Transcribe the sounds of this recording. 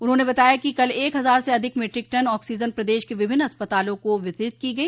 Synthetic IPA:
ʊnɦõːnebɐt̪aːjakikɐleːkɦɐzaːɾseɐd̪ʱɪkmeːʈɾɪk̚ʈɐnɔːksiːd͡ʒənpɾɐd̪eːʃkeʋɪbʱɪnːɐspət̪aːlõkoʋɪt̪ɾɪt̪̚kiɡɐiː

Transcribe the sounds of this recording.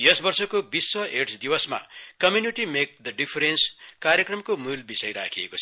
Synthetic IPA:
jʌsbʌrsʌkobiswʌeʈsʰd̪iwʌsma̰kʌmjuniʈimek̚d̪əɖipʰɾenskaɾjekrʌmkomulbisʌjɾa̰kʰiḛko

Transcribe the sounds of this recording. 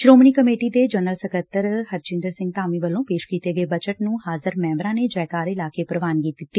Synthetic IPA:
ʃɾoːməniːkəmeːʈiːd̪eːd͡ʒənəlsəkət̪ːəɾhəɾt͡ʃɪ̃nd̪əɾsɪ̃ŋɡ̚t̪aːmiːʋəlːõːpeːʃkiːt̪eːɡəeːbət͡ʃəʈnũːhaːzəɾmɛ̃ːmbɾãːneːd͡ʒaːjkaːɾɪlaːkeːpɾəʋaːnkiːt̪ːɪt̪ːiː

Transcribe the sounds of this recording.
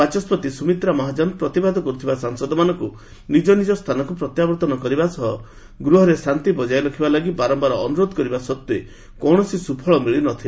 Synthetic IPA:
at͡ʃɔspɔt̪isumit̪ɾamɔɦad͡ʒanpɾɔt̪ibad̪ʱɔkɔɾut̪ʰibasaŋsɔd̪ɔmanɔŋku | nid͡ʒɔnid͡ʒɔst̪ʰanɔkupɾɔt̪jabɔɾt̪ɔnɔkɔɾibasɔɦɔ | ɡɾuɦɔɾesant̪ibɔd͡ʒajɾɔkʰibalaɡibaɾɔmbaɾɔːnuɾod̪ʱɔkɔɾibasɔt̪ːue | kɔɽ̃ɔsisupʰɔɭɔmiɭinɔt̪ʰila

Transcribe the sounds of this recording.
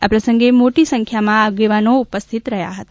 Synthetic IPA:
apɾəsə̃ŋɡemoʈisə̃ŋkʰjamãaɡeʋanoupəst̪ʰit̪ɾəɦja̰ɦət̪a

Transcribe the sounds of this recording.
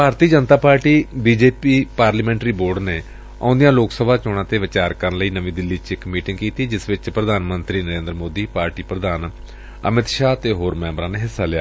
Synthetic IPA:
bʱaːɾt̪iːd͡ʒənt̪aːpaːɾʈiːbiːd͡ʒeːpiːpaːɾləmɛ̃ːɳʈɾiːboːɾɖneː | ã̰ːnd̪ijãːloːksəbʱaːt͡ʃɔɽ̃ãːt̪eːʋɪt͡ʃaːɾkəɾənləiːnəʋĩːd̪ɪlːiːt͡ʃɪkmiːʈɪ̃ŋɡkiːt̪iːd͡ʒɪsʋɪt͡ʃpɾəd̪ʱaːnmənt̪ɾiːnəɾẽːnd̪ɾəmoːd̪iːpaːɾʈiːpɾəd̪ʱaːn | ə̰mɪt̪ʃaːt̪eːɦoːɾmɛ̃ːmbɾãːneːɦɪsːaːlɪaː

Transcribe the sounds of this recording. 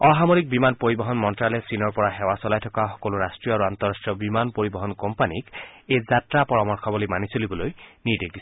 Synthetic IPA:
ɔɦamoɹik̚bimanpoɹibɔɦɔnmɔntɹalɛsinɔɹpɔɹaxɛwasɔlajtʰɔkaxɔ̥koloɹastɹijɔaɹuant̪ɔɹastɹijɔbimanpoɹibɔɦɔnkɔmpanikezatɹapɔɹamɔɹkʰɔbɔlimanisolibɔlojnidek̚dis

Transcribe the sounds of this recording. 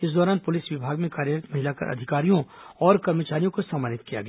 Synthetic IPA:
ɪsd̪ɔːɾaːnpʊlɪsʋɪbʱaːɡmẽkaːɾjəɾt̪mɐɦɪlakɐ̰ɾʔɐ̰d̪ʱɪkaːɾijõ | ɔːɾkɐɾmət͡ʃaːɾijõkosamaːnɪt̪kija̰ɡɐ

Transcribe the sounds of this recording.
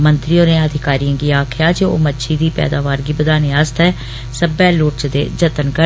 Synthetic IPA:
mənt̪ɾioːnẽəd̪ʱɪkaːɾijãːɡiːaːkʰɪjaːd͡ʒeːo̰ːmətːʃʰiːd̪iːpɛ̰ːd̪aːʋaːɾɡiːbəd̪aːniːaːst̪ɛː | səbɛːlʊːʈt͡ʃd̪ḛːd͡ʒət̪ənkə

